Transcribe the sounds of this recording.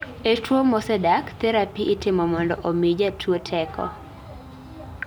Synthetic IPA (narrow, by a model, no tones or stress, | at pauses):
etwomɔsɛdakt̪ɛɾapiʔːtɪmɔmɔndɔʔomid͡ʒatʰwotʰɛkʰɔ̰